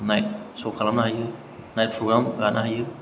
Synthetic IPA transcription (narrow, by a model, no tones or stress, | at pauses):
najt̚sokʰalamnaɦajɯ | najt̚pʰɾoɡɾamɡanaɦajɯ